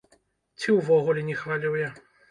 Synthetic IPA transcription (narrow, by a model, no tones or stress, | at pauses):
t͡sʲiwvɔɣulʲɛnʲɛxvalʲiwja